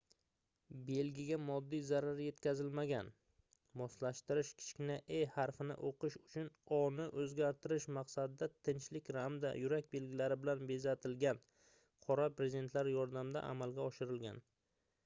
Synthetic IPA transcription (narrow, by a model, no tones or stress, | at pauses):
be̞lɡʲɪɡʲamɒd̪ːijzaɾaɾje̞t̪kʲʰazɪlmaɡʲan | mɒslaʃt̪ɪɾɪʃkʲʰɪ̥t͡ʃkʲɪnaʔejhaɾfɪnɪ̰ʔoqɨʃʊt͡ʃʰʊnɒnɪʔɵzɡʲaɾt̪ʰɪɾɪʃmaqsad̪ɪd̪at̪ʰɪnt͡ʃlɪkʲɾamd̪a̰jʊɾakʲbe̞lɡʲɪlaɾɪbɪlanbe̞zat̪ʰɪlɡʲan | qʰɒɾapɾezɪd̪e̞nt̪ʰlaɾjɒɾd̪amd̪a̰ʔa̰malɡʲaɒʃɪɾɪlɡʲa̰n